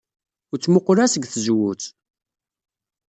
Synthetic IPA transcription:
ʊɾt͡sːmoqɾæsəɡθəzwut͡s

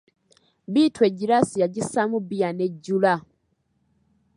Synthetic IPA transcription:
biːtweɟiɾasijaɟisamubijaneɟːula

